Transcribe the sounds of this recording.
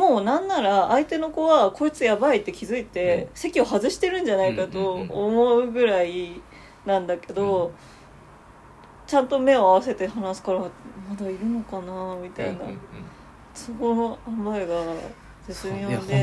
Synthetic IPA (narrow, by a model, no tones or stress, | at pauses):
moːnãnːaɾaːit̪e̞no̞ko̞βako̞it͡sɨjabait̪ːe̞kʲizɨit̪e̞se̞kʲio̞ɦazɨɕi̥t̪e̞ɾɯ̟̃ɲ̟d͡ʑanaikat̪o̞ːmo̞ɯ̟ɡɯ̟ɾai | nãnd̪ake̞d̪o̞ | t͡ɕãnt̪o̞me̞o̞aβ̞ase̞t̪e̞hanasɨ̥kaɾamad̪aiɾɯ̟no̞kanamʲit̪a̰ina̰ | sooamaeɡa | zɨsɨmʲiod̪e